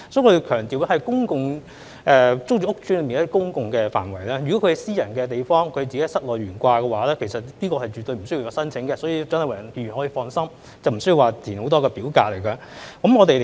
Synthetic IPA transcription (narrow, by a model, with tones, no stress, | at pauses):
sɔ˨˥k̪ʰːe˨kʰœː˨˩ŋt̪iː˨˩wjhɐ˨jkʊ˥ŋkʊ˨ŋ | ʔɛː˨˧t͡sʊ˥k̚t͡ʃy˧˥ʊ˥k̚t͡ʃyː˥nlə˨˧miː˨nɐ˥t̪i˥kʊ˥ŋkʊ˨ŋkɛː˧fa̰ː˨˩nwɐ˨˩jlɛː˥jɥy˨kɔ˨˥kʰɵ˧hɐ˨jsiː˥jɐ˨˩nkɛː˧t̪̬e˨˩jfɔː˥ŋkʰde˨t͡si˨e˦˥hsɐ˥t̚lɔː˨˩jɥyː˨˩nkʷaː˧kɛː˧waː˨˥lɛː˦˥kʰe˨˩jsɐ˨t̚niː˥kɔː˧hɐ˨jt͡ʃyː˨t̪ːo˧ɥm̩˨˩sɵ˥ji˧ja˨˧sɐ˥nt͡sʰɪ˨˥ŋkɛ˧sɔː˨˥ji˧t͡sɐ˥nhɐ˨jwa˨˩ɐ˨˩npiː˨˧˩y˨˩nhɔ˨˥jiː˧fɔː˧nsɐ˥m | t͡sɐ˨˩wm̩˨˩sɵ˥ɥji˨˧waː˨t̪ʰiː˨˩nho˨˧˥t̪ɔː˥kɛː˧piː˨˥wka̰ː˧t̚le˨˩jkɛ˧kɐ˨˦mŋɔː˨˧t̪e˨